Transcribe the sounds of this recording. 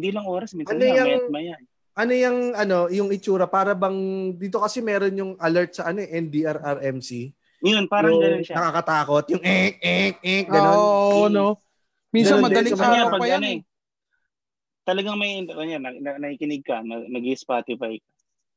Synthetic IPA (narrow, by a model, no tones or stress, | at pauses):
hɪnd̪ilɐŋʔoːɾɐsmiɐnojɐj̚mɐjaʔ | ʔɐnojɐŋɐno̞jʊŋɪt͡ʃuːɾɐpaːɾɐbɐŋd̪iːt̪o̞kɐsɛmɛːɾo̞njʊŋʔɐlɐɹt̪̚sɐʔɐno̞ɛʔɛnd̪iʔɐɾʔɐɾʔɛmsi | jonpaːɾɐɡɐnonʃanɐkaːkɐt̪aːko̞t̪̚jʊŋʔɛkɛk̚ʔɛɡɐnonno | miɐɐmɐd̪ɐlliɐmɐɲapɐɡpɐjanɛ | t̪ɐlɐɡaŋmɐjoanɐnɐnɐkikɪnɪɡ̚kɐnɐnɐɡispaːt̪ɪfajk̚ɐ